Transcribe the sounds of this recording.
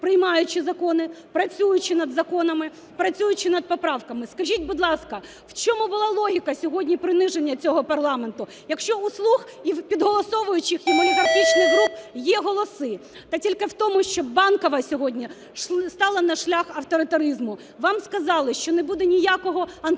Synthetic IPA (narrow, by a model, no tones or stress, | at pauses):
pɾɪjmɑjʊt͡ʃɪzɐkɔnɪpɾɐt͡sʲujʊt͡ʃɪnɐd̪zɐkɔnɐmɪ | pɾɐt͡sʲujʊt͡ʃɪnɐd̪̚pɔpɾɑwkɐmɪskɐʒʲitʲbʊd̪lˠɑskɐ | w̥t͡ʃɔmubʊlˠɑlˠɔɦʲikɐsʲɔɦɔdʲnʲipɾɪnɪʒenʲːɐt͡sʲɔɦɔpɐrlˠɑment̪ʊ | jɐkʃt͡ʃɔuslˠuxipʲid̪ɦɔlˠɔsɔʋʊjʊt͡ʃɪximʊnɐɡ̪ɾɐt̪ʲit͡ʃnɪxɦɾupjɛɦɔlˠɔsɪ | t̪ɐtʲilʲkɪwt̪ɔmʊʃt͡ʃɔbɑnkɔʋɐsʲɔɦɔdʲnʲi | ʃst̪ɑlˠɐnɐʃlʲaxɐwt̪ɔɾɪt̪ɐɾɪzmʊ | ʋɑmskɐzɑlˠɪʃt͡ʃɔnebud̪ɛnʲijakɔɦɔɐn